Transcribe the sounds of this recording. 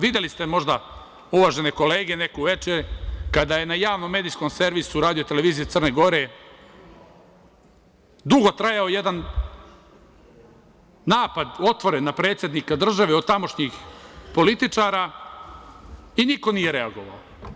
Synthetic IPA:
ʋid̪jelist̪emo̞ʒd̪a | uʋaʒe̞ne̞ko̞leːɡe̞ne̞kuʋe̞t͡ʃeɾkad̪aje̞najaːʋnomːe̞ːd̪ijsko̞mse̞ɾʋisuɾaːd̪ijo̞t̪e̞le̞ʋiːzijet̪sr̩neɡo̞ɾe | d̪uɡo̞t̪ɾajao̞jed̪an | aːpad̪o̞t̪ʋo̞ɾenːapɾe̞ːt̪sje̞d̪nikad̪r̩ʒaʋeot̪amo̞ʃɲixpo̞lit̪it͡ʂaːɾa | iniko̞nije̞ɾe̞aɡo̞ʋa̰o

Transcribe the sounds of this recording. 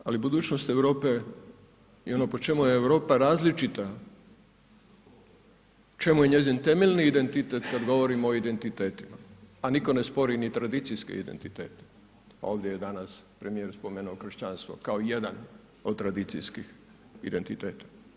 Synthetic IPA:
a̰libud̪uːt͡ɕnost̪e̞ʋɾo̞ːpe | ḭo̞noːpo̞t͡ʃe̞mujeːʋɾo̞ːpaɾaːzlit͡ʃit̪a | t͡ʃe̞muje̞ɲe̞zint̪e̞melʲniːd̪ent̪it̪et̪kad̪ɡo̞ʋo̞ɾimoid̪e̞nt̪it̪eːt̪imaːniko̞ne̞spo̞ɾinit̪ɾad̪it̪sijskḛḭd̪ḛnt̪it̪eːt̪e̥ | a̰o̞ːʋd̪jejed̪anaspɾemijeɾspo̞meːnuoxr̩ʃt͡ɕanst̪ʋo̞̰kaoijed̪an | od̪̚t̪ɾad̪it̪sḭjskix | id̪e̞nt̪it̪eːt̪ḁ

